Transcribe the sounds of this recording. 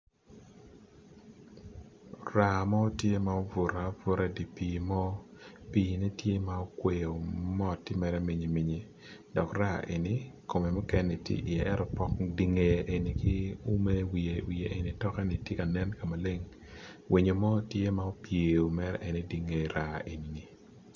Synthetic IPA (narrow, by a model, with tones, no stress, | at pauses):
ra˨mɔ˦tje˦ma˨˦o˦vʊ˨ɾa˨˦vʊ˦ɾa˦di˨piː˨mɔ˦piː˦ni˦tje˦ma˨o˦kwe˨o˨mɔ˦tːɪ˦mɛ˨ɾɛ˦mi˨ɲi˨mi˨ɲe˨ | dɔ˨kra˦ʔe˨ni˨ko˨me˨mɔ˦kɛ˦nɛ˨tjḛ˦ʔi˨ɛ˨ʔɛ˦ɾɔ˨pɔ˦kdi˨ŋe˨ʔe˨ni˨kɪ˦u˦me˦wi˨e˨wi˨e˨ʔe˨ni˨tɔ˦kɛ˦ni˨tje˦ka˨nɛ˦nka˨ma˨le˦ŋ | wi˨ɲo˨mɔ˦tje˦ma˨o˦pje˨o˨mɛ˦ɾɛ̰˦ʔɛ˨ne˦di˨ŋe˨ɾa˨e˨ni˨ni˨